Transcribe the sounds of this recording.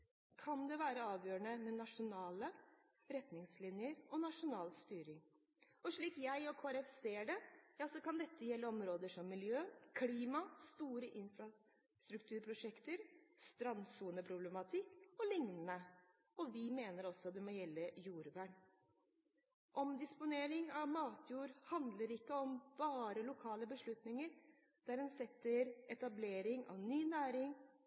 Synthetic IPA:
kʰɑnd̪ɛʋæːɾəɑːʋjøːɾəɳəmɛnɑʂʊnɑːlə | ɾɛt̪nɪŋslɪnjəɾɔnɑʂʊnɑːlst̪yːɾɪŋ | ɔʂɭiːkjæɪɔkʰoːæɾɛfseːɖɛjɑːsɔkɑnd̪ɛt̪ʰːəjɛlːəɔmɾoːd̪əʂɔmːɪljøːkʰliːmɑst̪uːɾəʔɪnfɾɑ | st̪ɾʉkt̪ʰʉːɾpʰɾʊʂɛkt̪əɾst̪ɾɑnsuːnəpʰɾʊblɛmɑt̪ʰɪkɔlɪŋnənə | ɔʋɪmeːnəɾɔsːɔd̪ɛmɔjɛlːəjuːɾʋæːɳ | ʔɔmd̪ɪspʊneːɾɪŋɑʋmɑːt̪ʰjuːɾhɑnd̪ləɾɪkːəɔmb̥ɑːɾəlʊkʰɑːləbəʂɭʉt̪nɪŋəɾ | d̪̥æɾdɛnsɛt̪ːəɾɛt̪ɑbleːɾɪŋɑ̰ʋnyːnæːɾɪŋ

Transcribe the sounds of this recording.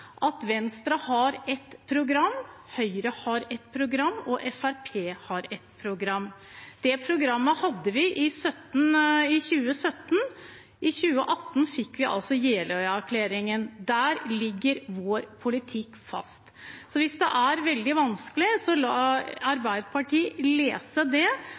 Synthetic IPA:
ʔɑt̪ʋɛnst̪ɾɑhɑɾɛt̪pʰɾʊɡɾɑmːhœʏɾəhɑɾɛt̪pʰɾʊɡɾɑmːɔʔɛfæɾpʰeːhɑɾɛt̪pʰɾʊɡɾɑmːd̪̥ɛpʰɾʊɡɾɑmːəhɑd̪ːəʋɪʔɪsœt̪ːn̩ɪçʉːəsœt̪ːn | ʔɪçʉːə̰ʔɑt̪ːn̩fɪkːʋɪʔɑ̰lsɔjeːlœʏæɾkʰleːɾɪŋənd̪æːɾlɪɡːəɾʋoːɾpʰʊlɪt̪ʰɪkːfɑ̰st̪ | sɔʋɪsd̪ɛ̰ʔæɾʋɛld̪ɪʋɑnskəlɪsɔlɑːɑɾbæɪd̪pʰɑʈiːleːsəd̪ɛ

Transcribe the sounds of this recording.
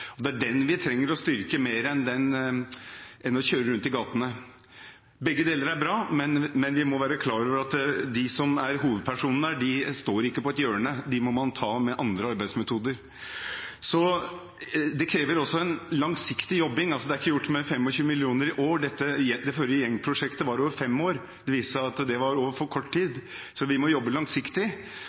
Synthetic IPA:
ɔd̪ɛæɖɛnʋɪt̪ʰɾɛŋːəɾɔst̪ʏɾkəmeːɾəɛnd̪ɛn | ɛnɔçøːɾəɾʉnt̪ɪɡɑːt̪nə | bɛɡːəd̪eːləɾæɾbɾɑːmɛnmɛnʋɪmɔʋæːɾəkʰlɑːɾoːʋəɾɑt̪d̪ɪsɔmæɾɦuːʋəd̪̚pʰæʂuːnənəɖɪst̪oːɾɪkːəpɔɛt̪jøːənəd̪ɪmɔmɑnt̪ʰɑːmɛʔɑnd̪ɾəɑɾbæɪsmɛt̪ʰuːd̪əɾ | sɔ | d̪ɛkʰɾeːʋəɾɔsːɔɛnlɑŋsɪkt̪ɪjɔbːɪŋɑlsɔd̪ɛæɾɪkːəjʊʈːmɛfɛmːɔçʉːəmɪlɪuːnəɾɪʔoːɖɛt̪ːəjɛd̪ɛføːɾɪəjɛŋːpʰɾʊʂɛkt̪əʋɑɾoːʋəfɛmːoːɾ | d̪ɛʋiːsəɑt̪d̪ɛʋɑɾoːʋəfɔɾkʰɔʈːtiːd̪ | sɔʋɪmɔjɔbːəlɑŋsɪkt̪ɪ

